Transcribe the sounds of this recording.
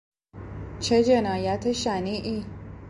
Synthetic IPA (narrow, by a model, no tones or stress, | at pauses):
t͡ʃʰed͡ʒɐnaːjat̪eʃaːniʔi